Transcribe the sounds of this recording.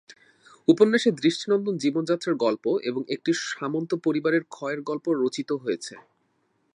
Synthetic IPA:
uponːeʃed̪ɾiʃʈʰinɔnd̪ond͡ʑibond͡ʑat̪ːɾaɾɡɔlpoʔeboŋek̚ʈiʃamont̪opoɾibaɾeɾkʰɔeɾɡɔlpoɾot͡ɕit̪oɦojet͡ɕʰe

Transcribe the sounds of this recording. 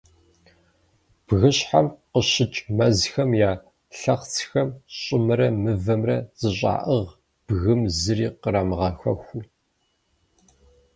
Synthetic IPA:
b̥ɣɨɕħa̰mqəɕɪt͡ʃʼmɐzxɐmjaː | ɬɐχt͡sʰxɐmɕʼɪmɨɾɐmɨvɐmrɐz̥ɨɕʼa̰ːʔəʁ | b̥ɣɨmzɨriːqəɾaːmʁɐxɐxʷʊ

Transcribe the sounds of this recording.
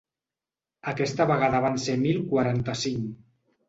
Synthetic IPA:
akɛst̪əβəɣaðəβ̞ansemilˠkwaɾant̪əsiŋ

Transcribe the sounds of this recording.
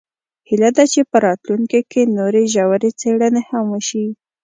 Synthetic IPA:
hilad̪at͡ʃepəɾɑt̪luŋkikenoɾeʒawaɾet͡seɽənehamwəʃi

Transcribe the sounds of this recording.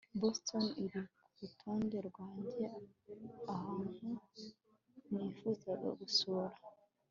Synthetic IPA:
bostʰoniɾikuɾutʰuːnde̞ɾɡwaːɲde | ahaːnhu | nifuzaɡo̰ɡusoɾa

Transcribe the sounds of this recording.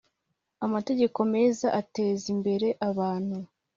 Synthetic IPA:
amate̞ɟe̞ko̞me̞ːzaʔate̞ːzimbe̞ɾe̞ʔaβaːn̥hu

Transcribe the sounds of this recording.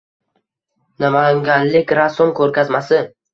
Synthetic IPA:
namaŋɡʲanlɪkʲɾasomkʰɵɾkʲazmasɪ

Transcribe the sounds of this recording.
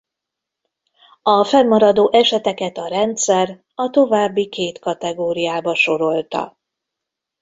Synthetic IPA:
ɒfɛlmɒɾɒd̪oːʔɛʃɛt̪ɛkɛt̪ɒɾɛnt̪sɛr | ɒt̪o̞vaːbːikeːt̪kɒt̪ɛɡoːɾijaːbɒʃo̞ɾo̞lt̪ɒ̰

